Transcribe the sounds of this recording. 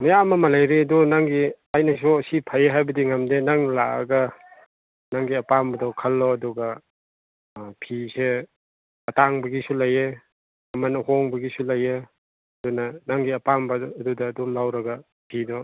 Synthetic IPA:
mɐjamɐmɐlajɾiɐdunaŋɡi | ajnɐs̬usipʰajeɦajbɐdiŋamdenaŋlaʔɐ̰ɡɐ | naŋɡiɐpambɐdawkʰɐlːɔɐduɡɐ | pʰise | ɐtaŋbɐɡisulaje | ɐmɐnɐhoŋbɐɡisulaje | ɐdunɐnaŋɡiɐpambɐːdudɐːdɔmlawɾɐɡɐ | pʰidɔ

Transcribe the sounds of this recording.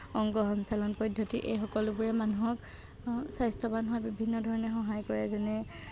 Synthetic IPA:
ɔŋɡɔɦɔnsalɔnpɔdʱjɔtiʔḛjxɔkɔlʊbuɹɛmanuɦɔk | sajstʰɔbanuwabibʱinːɔdʱɔɹɔnɛxɔɦajkɔɹɛzɛnɛ

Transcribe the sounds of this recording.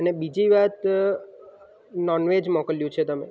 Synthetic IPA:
ənebid͡ʒiʋat̪ | nɔnʋed͡ʒmɔkəljũt͡ʃʰet̪əmḛ

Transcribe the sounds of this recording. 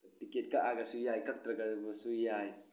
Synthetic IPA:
tiket̚kaʔaɡasujajkak̚t̪ɾaɡabusujaj

